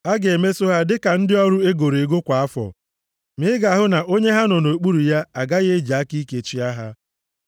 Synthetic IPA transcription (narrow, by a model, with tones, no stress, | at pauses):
a˦ɡe˨me˦so˦ɦa˦dɪ˦ka˨n̩˦dɪ˦ɔ˦ɾʊ˦e˦ɡo˨ɾe˨ɡo˦kʷa˨a˦fɔ̰˨ | mɪ˦ɪ˦ɡa˨ɦʊ˦na˨ʔo˦ɲe˦ɦa˦nʊ˨no˨k͡pu˦ɾu˨ja˦a˨ɡa˦ɣe˦d͡ʒa˦ki˦i˦ke˨t͡ʃi˦a˦ɦa˦